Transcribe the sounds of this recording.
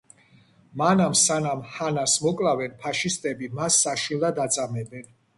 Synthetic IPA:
manamsanamhanasmɔkʼlavɛnpʰaʃist̪ʼɛbimasːaʃilˠad̪at̪sʼamɛbɛn

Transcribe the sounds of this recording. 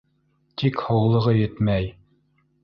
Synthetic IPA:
t̪ʰikhowlˠɤ̆ʁɤjɵt̪mæj

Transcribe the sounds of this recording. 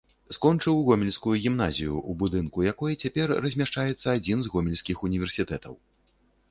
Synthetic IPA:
skɔnt͡ʂɨwɣɔmʲɛlʲskujuɣʲimnazʲijṵʔubud̪ɨnkujakɔjɛt͡sʲapʲɛrːɐzʲmʲaʂt͡ʂajɛt̪sːɐad͡zʲinzɣɔmʲɛlʲsʲkʲixunʲivʲɛrsʲit̪ɛt̪ɐ̰w

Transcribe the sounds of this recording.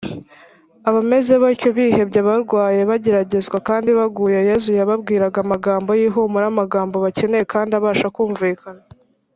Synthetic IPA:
aβame̞ze̞βacoβiːhe̞bɟaβaɾɡwaːje̞βaɟe̞ɾaɟe̞zɡwakaːndiβaɡuːjeje̞zujaβabɡiːɾaɡamaɡaːmbo̞jiːɦomuɾamaɡaːmbo̞βace̞ne̞jekaːndiaβaːʃakuːɱviːkana

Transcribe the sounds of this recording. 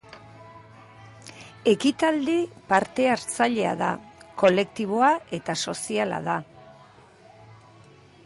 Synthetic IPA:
e̞kit̪ald̪ipaɾt̪e̞aɾt͡saʎe̞a̰ða̰ko̞le̞kt̪iβ̞o̞aʔe̞t̪aso̞siala̰ð̞a

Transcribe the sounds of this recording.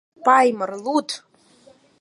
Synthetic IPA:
pɑjmɤrlˠut̪

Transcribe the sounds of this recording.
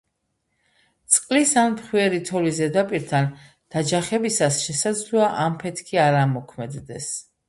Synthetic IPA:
t̪sʼqʼlisanpχwiɛɾit̪ʰɔlizɛd̪apʼiɾt̪ʰan | d̪̥ad͡ʒaχɛbisasʃɛsad̪zlɔaʔampʰɛt̪ʰkʰiaɾamɔkʰmɛd̪d̪ɛs

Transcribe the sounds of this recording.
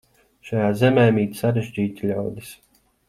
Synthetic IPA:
ʃajaːzɛmɛːmiːt̪saɾeʒd͡ʒiːt̪ʲiʎawd̪is

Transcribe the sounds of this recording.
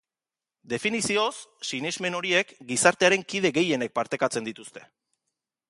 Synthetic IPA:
d̪e̞finisio̞sːinizme̞no̞ɾie̞kɡisaɾt̪e̞aɾe̞ŋkið̞e̞ɣe̞je̞ne̞k̚paɾt̪e̞kat͡se̞nd̪it̪ust̪e̞̥

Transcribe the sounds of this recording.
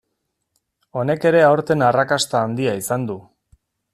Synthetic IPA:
o̞ne̞ke̞ɾe̞awɾt̪e̞narakast̪aːnd̪iaisand̪u

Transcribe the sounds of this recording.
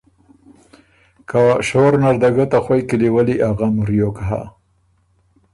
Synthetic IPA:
kaʃoɾnaɾd̪aɡat̪axwajkiliwəliʔaɣamʊɾjokaɦa̰

